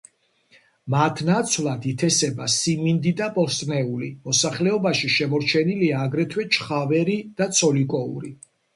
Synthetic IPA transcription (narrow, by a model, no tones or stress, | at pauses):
mat̪ʰnat̪sʰwvlˠatd̪ʰit̪ʰɛsɛbasimind̪id̪apʼɔɾst̪ʼnɛulimɔsaχlɛɔbaʃiʃɛmɔɾt͡ʃʰɛniliaːɡɾɛt̪ʰwɛt͡ʃʰχavɛɾid̪̥at̪sʰɔlikʼɔṵɾi